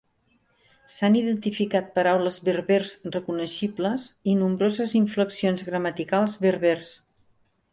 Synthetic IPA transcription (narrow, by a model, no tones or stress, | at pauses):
saniðənt̪ifikat̪̚pəɾawləzβəɾβerzrəkunəʃibləzinumbɾozəziɱfləksionzɣɾəmət̪ikalˠzβəɾβers